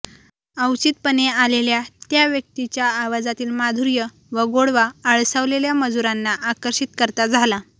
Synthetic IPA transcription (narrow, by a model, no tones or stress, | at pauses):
əwt͡ɕit̪̚pənealeljat̪jaʋjək̚t̪it͡ɕjaːʋad͡zat̪iːlmad̪ʱuɾjə | ʋəɡoɽʋaəɭsəʋleljaməd͡zuɾanːaʔakəɾɕit̪kəɾt̪ad͡zʱala